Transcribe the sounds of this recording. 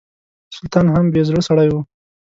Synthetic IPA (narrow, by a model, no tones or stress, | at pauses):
sʊlt̪ɑnɦambezɽəsaɽajwu